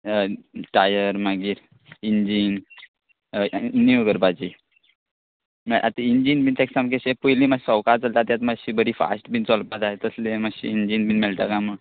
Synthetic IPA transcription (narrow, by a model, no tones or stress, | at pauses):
ʈajəɾmaɡiːɾ | ind͡ʑin | niuɡəɾbad͡ʑi | mɛʔat̪iind͡ʑinbint̪eksamkeɕepujlimasɔwkaɾt͡salt̪at̪jat̪maɕibəɾifa̰sʈbint͡sɔlpat̪aɦet̪əslemaɕḭind͡ʑinbinmɛlʈ̪akamə